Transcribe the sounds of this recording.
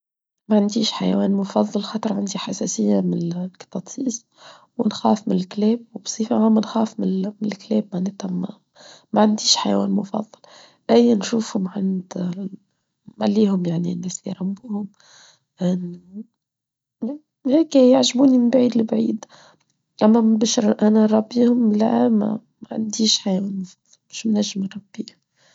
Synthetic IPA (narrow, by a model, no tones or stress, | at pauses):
maʕand̪iːʃħaja̰wɛːnmʊfɑðˤːɑlxɑːt̪ˤɾˤʕand̪iħasæsɪjːamɪnkt̪ɑt̪ˤiːs | wɪnxæːfmɪnɪlkleːb̚wbsˤiːfaʕamːanxæːfmɪmɪnɪlkleːbmaʕneːt̪am | maʕand̪iːʃħajawæ̰ːnmʊfɑ̰ðˤːɑl | ʔæjːanʃuːfhʊmʕand̪ | malːiːɦʊmjaʕninːeːsḭɾˤɑmbuːhʊm | ʔɪn | heːkjaʕʒbuːnimɪnbʕiːd̪libʕḭːd̪ | ʔamːæbɪʃɾʔanaɾˤɑbːiːhʊmlama̰mʕa̰nd̪iːʃħajwæːnmʊfɑðˤlmɪʃmnaʒːɪmɾˤɾˤɑb̥ːiːhʊm